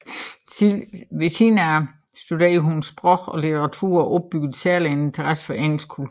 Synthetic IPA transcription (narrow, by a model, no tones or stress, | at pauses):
ʋesʰinæ | sd̥udeɦunsb̥ʁɔɡ̥ɒ̽lit͡sʰeʁɑ̈t͡sʰṵɐ̰ɒʔɒ̽b̥̚b̥yɡ̥ð̩ˠsæɐlienent͡sʰɐʁasfɒ̽ʔeŋ̰l̩sɡ̥kʰul